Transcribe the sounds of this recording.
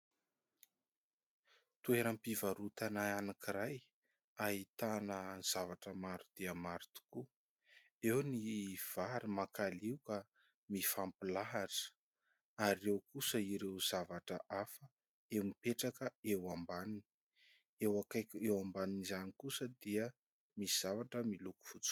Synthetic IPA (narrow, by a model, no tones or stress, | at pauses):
t̪ueɾəmpivaɾut̪anaanakiɾaj | aɦit̪anəz̥avaʈ͡ʂəmaɾud̪̥iəmaɾt̪u̥ku | ewniv̥aɾimakaliwkə | mifampilaɦaʈ͡ʂə̥ | aɾewkusəiɾewz̥avaʈ͡ʂəʔafə | emipeʈ͡ʂakəewambanini̥ | ewakajkewambaninizanikusəd̪iə | miz̥avaʈ͡ʂəmiluku̥fut͡s